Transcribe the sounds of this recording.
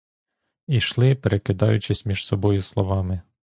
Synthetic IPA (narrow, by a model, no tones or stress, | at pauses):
iʃlˠɪpeɾekɪd̪ɑjʊt͡ʃɪsʲmʲiʒ̥sɔbɔjʊslˠɔʋɑmɪ